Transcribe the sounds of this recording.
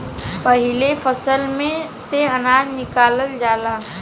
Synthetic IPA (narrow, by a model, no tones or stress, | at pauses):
pəɦɪlefʰəsəlmẽ | seɐnaːd͡ʒnɪkaːləld͡ʒaːlaː